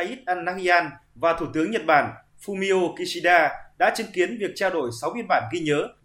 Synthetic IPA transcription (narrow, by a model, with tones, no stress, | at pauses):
ʔi˦˥t̚ʔaː˧nːaː˧˥hi˧ʔaː˧nvaː˨˩t̪ʰu˧˩t̪ɨ˨˦əŋɲə˨˩t̚ɓaː˧˩n | fu˧mi˧o˧ki˧si˧ɗaː˧ɗa̰ː˧˥t͡ɕɨ˨˦ŋki˨˦ənvi˨˩ək̚t͡ɕaː˧wɗo˧˩jsa˨˦wi˧ən̚ɓaː˧˩nɣi˧ɲəː˨˦